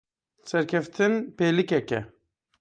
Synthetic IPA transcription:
sɛɾkʰɛft̪ʰɨnpeːlikɛkɛ̰

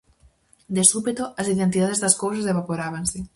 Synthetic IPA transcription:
d̪esuβit̪oasiðent̪iðaðezðaskows̬azeβapoɾaβ̞anse

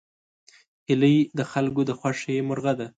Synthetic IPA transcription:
hɪləjd̪əxalkod̪əxwaʂemʊɾɣad̪a

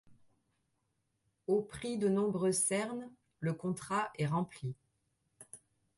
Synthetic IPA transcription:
opχid̪ənɔ̃bʁøsɛʁn | ləkɔ̃t̪χaʔɛʁɑ̃pli

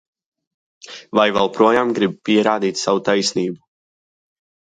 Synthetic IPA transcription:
vajvɛlˠpɾuɔjaːmɡɾibpiɛɾaːd̪iːt̪ʲsavut̪ajsniːbu

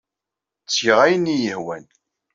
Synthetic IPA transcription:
t͡sːçəʁæjənːijəhwæn

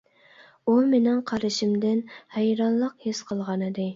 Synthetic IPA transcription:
umenɪŋqʰɑɾɨʃɪmd̪ɪnhɛjɾɑnlˠəqhesqʰəlˠʁɑnɨd̪ɨ

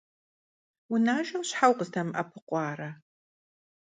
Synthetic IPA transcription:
wunaːʒɐwɕħawqəztʰɐmʔɐ̰pʰɨqʷɑːɾɐ

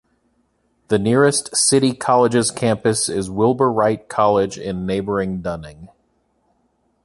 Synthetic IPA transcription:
ðɨnɪɹɨstsɪɾikʰɑlˠəd͡ʒɨz̥kʰæ̃mpɨsɪzwɪlˠbə˞ɹaɪt̚kʰɑlˠɪd͡ʒɪ̃nːeɪbə˞ɪ̃ŋdʌnɪ̃ŋ

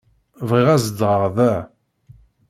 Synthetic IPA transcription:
vʁiʁæzəd̪ʁəʁðæ

